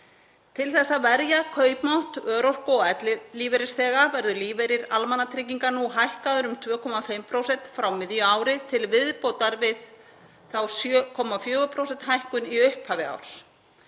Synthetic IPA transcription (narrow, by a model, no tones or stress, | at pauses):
t̪ʰɪlθɛsːavɛɾjakʰœːɥpmawht̪œːɾɔr̥kɔɛt̪lɪliːveɾɪsθɛːɣavɛɾðʏliːveɾɪɾalmanːat̪ʰɾɪːciŋkanuɦajhkaðʏɾʏmt̪ʰvœːkʰɔmafɪmpʰɾowsɛnt̪fɾawmɪðjʏaːwɾɪt̪ʰɪlvɪðpoːwt̪aɾvɪð | θawsjœkʰɔmafjœːɣʏpʰɾowsɛnt̪ɦajhkʏniʏhphaːvɪa̰wɾ̥s